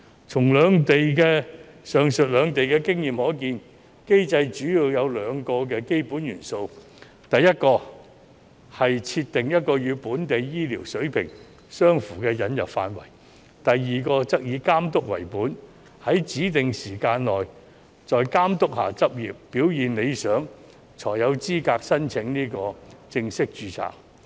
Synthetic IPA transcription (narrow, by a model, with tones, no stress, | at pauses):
t͡sʰʊ˨˩ŋlœː˨˧ŋt̪e˨jkɛː˧sœː˨˩ŋsɵ˨t̚lœː˨˧ŋt̪e˨jkɛː˧kɪ˥ŋjiː˨mhɔː˨˥kiː˧n | ke˥jt͡sɐ˧jt͡ʃyː˨˥jiː˧wjɐ˨˧wlœː˨˧ŋkɔː˧k̬ɛː˧ke˥jpuː˨˥njyː˨˩nso˧w | t̪ɐ˨jːɐ˥t̚kɔː˧ | hɐ˨jt͡sʰi˧t̪ɪ˨ŋjɐ˥t̚kɔː˧jyː˨˧puː˨˥nt̪e˨jjiː˥liː˨˩wsɵ˨˥ɥpʰɪ̰˨˩ŋ | sœː˥ŋfuː˨˩kɛː˧jɐ˨˥njɐ̰˨p̚fa̰ː˧nwɐ̰˨˩j | t̪ɐ˨jːiː˨kɔː˧t͡sɐ˥k̚jiː˨˧˥kaː˥mt̪ʊ˥k̚wɐ̰˨˩jpuː˨˥n | hɐ˨˥jt͡siː˨˥t̪ɪ˨ŋsiː˨˩kaː˧nlɔː˨j | t͡ʃɔː˨jkaː˥mt̪ʊ˥k̚ha̰ː˨t͡sɐ˥p̚jiː˨pːiː˨˥wjiː˨nne˨˧jsœː˨˥ŋ | t͡sʰɔː˨˩jjɐ˨˧wt͡siː˥kaː˧k̚sɐ˥nt͡sʰɪ˨˧˥ŋniː˥kɔː˧t͡sɪ˧ŋsɪ˥k̚t͡ʃyː˧t͡sʰa̰ː˨˩